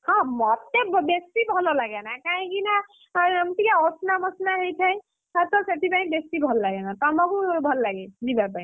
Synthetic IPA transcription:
hɔ̃mɔt̪ːebbesʈibʱɔlɔlaɡɛnakaĩɡina | amt̪ikaɔsnamɔsnaɦejt̪ʰaj | at̪ɔseʈibaj̃̚besʈibʱɔllaɡɛnat̪ɔmɔɡubʱɔlːaɡɛdibapaj̃

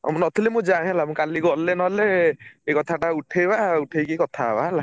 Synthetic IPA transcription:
mnɔt̪ʰilemũd͡ʒãɦɛlamũkaliɡɔlenɔɦleekɔt̪ʰaʈauʈʰejbauʈʰejkikɔt̪ʰabaɦɛla

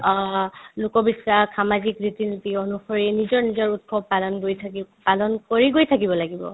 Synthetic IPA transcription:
lukɔbisasamazikɹitinitiɔnuxɔɹinizɔɹnizɔɹut̚kɔbpalɔnɡojtʰapalɔnkoɹiɡojtʰak̬ibɔlaɡibɔ̰

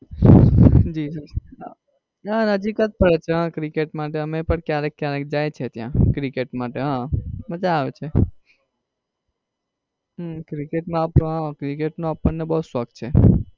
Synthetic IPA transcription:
d͡ʒisə | ɦãnəd͡ʒikət̪̚pəɾet͡ʃʰeɦãkɾikeʈmaʈ̬eəmepəɳkjaɾekːjaɾek̚d͡ʒajt͡ʃʰet̪jã̰kɾikeʈmaʈeɦãbəd͡ʒaːʋet͡ʃʰe | kɾikeʈmãapɦãkɾikeʈnõapəɳnebəɦuswəɡ̚t̪̚t͡ʃʰe

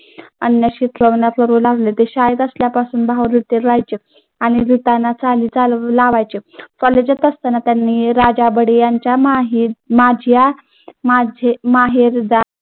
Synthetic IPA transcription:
ənjəɕit̪ʰɾəʋɳjat̪ʋəɾulaʋlet̪eɕajt̪əsljapasuːnbʱaʋɾit̪eɾɾajt͡ɕe | aɽ̃iɾit̪anːat͡saliːt͡salaʋajt͡ɕekɔled͡ʑat̪əst̪anat̪janːiːɾad͡ʑabəɽejaɲt͡ɕamɦimad͡ʑʱja | mad͡ʑʱemaɦiɾd̪a

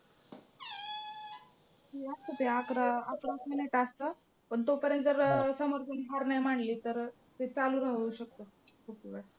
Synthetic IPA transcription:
ɦeast̪ət̪eakɾaakɾasminiʈast̪ə | pəɳt̪opəɾjənt̪d͡zəɾsəməɾɡʱənɦaɾnajmaɳliːt̪əɾ | t̪et͡saluːɾaɦuɕək̚t̪əkʰupʋə

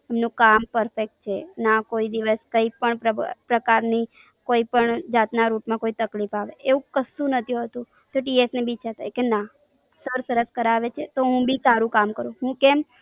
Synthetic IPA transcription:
ɛmnũkampəɾfek̚ʈ̚t͡ʃʰenakoid̪iʋəskəipəɳəpɾəkaɾni | koipəɳd͡ʒat̪naɾuʈmãkoit̪əklifaʋeeũkəsũnət̪ʰiũɦət̪ũ | t̪oʈiesnebit͡ʃʰat̪ʰaekena | səɾsəɾəskəɾaʋet͡ʃʰet̪oɦũbisaɾũkamkəɾũɦũkɛm

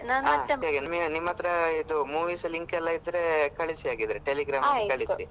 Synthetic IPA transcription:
naːnɐt̪ːɐaːɡenɐmenimːɐt̪ɐɾɐid̪umuːʋiːsɐliŋkɛlːɐid̪ɾe̞kɐɭisiaːɡid̪ɐɾeʈeliɡɾaːmɐkɐɭisi

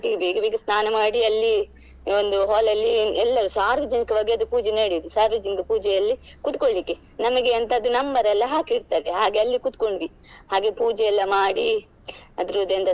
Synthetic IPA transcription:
t̪iɡebeːɡɐbeːɡɐsnaːnɐmaːɽiɐlːi | ond̪uɦɔːlɐlːiɛlːɐɾusaːɾʋɐd͡ʒɐnikɐʋɐːɡeɐd̪upuːd͡ʒeneɐɽid̪usaːɾʋid͡ʒiŋɡepuːd͡ʒɛjɐlːikut̪̚koɭlikːe | nɐmɐɡe̞ɐnt̪ɐːd̪unɐmbɐɾɛlːɐɦaːkiiɾt̪aːɾeɦaːɡe̞ɐlːikut̪̚koɳɖʋi | haːɡe̞puːd͡ʒɛɛlːɐmaːɽi | ɐd̪ɾud̪ɐnd̪ɐ

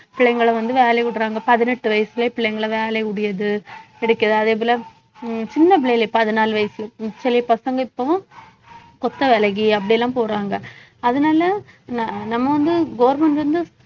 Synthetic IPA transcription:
pɪɭɛŋɡɐɭɐʋɐnd̪ɯʋeːlɐkʊɽɯɾaːŋɡɐpɐðɪnɛʈːɯʋɐjɐsɪleːpɪɭːɛɪŋɡɐɭɐʋeːlɐkʊɽɪjɐðɯ | ɛɽɯkːɐðɯɐðeːp̬olɐ | t͡ʃɪnːɐp̬ɪɭɐlepɐðɯnaːlʋɐjɐsɪlt͡ʃɛlɪpɐsɐŋɡɐɪpːɐʋʊ̃ | kɔt̪ːɐʋɛlɐɣiɐp̬ːɐɽɪjɛlːãːpoːɾaːŋɡɐ | ɐðɯnaːlɐnanɐmːɐʋɐnd̪ɯɡoːɾmɐɳɖʋɐnd̪ɯ

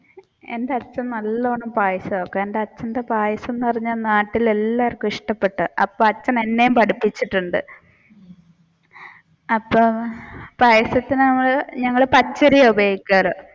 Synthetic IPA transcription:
e̞̰ndeɐt͡ɕːɐmnɐlːɐoːɳːɐmpaːjɐsɐokːeendeɐt͡ɕːɐndepaːjɐsunːukɐriɲːɐnaːʈːile̞lːaːɐrkːumiʂʈɐpːe̞ʈːɨɐpːoːɐt͡ɕːɐne̞nːe̞jumpɐɽipːit͡ɕːiʈːuɳɖɨ̰ | ɐpːoːpaːjɐsɐt̪ːinɨnɐmːɐɭɲɐŋːɐɭɨpɐt͡ɕːɐɾijɐubeikʲːaːrɨ

